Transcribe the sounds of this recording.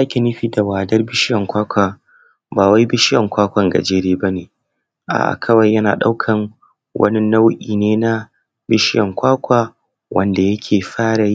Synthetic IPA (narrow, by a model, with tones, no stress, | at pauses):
zaː˦kʲi˨nɪ˦ɸiː˨da˨waː˨dɐ˦rbɪ˦ʃɪ˦jɐ˨ŋkʷaː˦kʷaː˨ | baː˨wa˦jbɪ˦ʃɪ˦jɐ˨ŋkʷaː˦kʷɐ˨ŋɡɐ̰˨d͡ʒeː˦ɽeː˦bɐ˦neː˨ | ʔa̰ː˨ʔkʰɐ˦wɐ˨jːɐ˦na̰ː˨ɗa̰˦wkʰɐ˨ŋ | wʔɐ̰˦ni˦na˦wʔʲʼiː˨neː˦na˦ | bɪ˦ʃɪ˦jɐ˨ŋkʷaː˦kʷaː˨ | wʔɐ˨nda˨jɐ˦kʲʰeː˨ɸaː˦ɽa˨j